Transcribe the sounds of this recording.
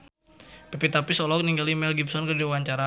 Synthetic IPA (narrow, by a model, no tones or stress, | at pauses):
pepit̪apisɔlɔk̚niŋɡalimɛlɡibsɔnkərdiwaɲt͡ʃaɾa